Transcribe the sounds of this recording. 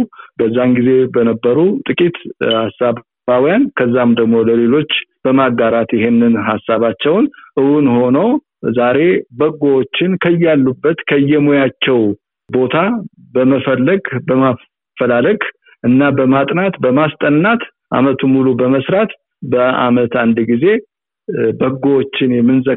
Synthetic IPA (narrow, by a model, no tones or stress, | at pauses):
bəzːanɡize̞bənəbːəɾut̪ʼɨkʼit̪hasːaβ | awijankʰəzːamd̪əɡmo̞ləle̞lo̞t͡ʃːb̥əmaɡːaɾat̪jɪɦe̞nːɨnhasːaβat͡ʃːɛwnʔɨwunho̞nəw | zaɾe̞bəɡowot͡ʃːɪnkʰəjːalːubːət̪kʰəjːɛmojat͡ʃːɛw | bo̞t̪ʰa | bəməfəlːəɡbəma | fəlaləɡ | ʔɨnːabəmat̪ʼnat̪bəmast̪ʼənːat̪ | ʔa̰mət̪ʰumulubəməsɾat̪ | bəa̰mət̪and̪ɡize̞ | bəɡːowot͡ʃːɪnjɛmːɨnzə